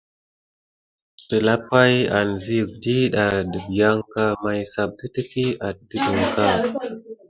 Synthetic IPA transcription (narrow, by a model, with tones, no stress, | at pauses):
d̥ə˨la˦pa˦ja̰˨nzi˦ə˨k̚di˦ɗa˨də˨bi˨ja˦ŋka˦ma˦jsa˨p̚də˦tə˦ki˦a˨t̚də˦də˨ŋka˦˨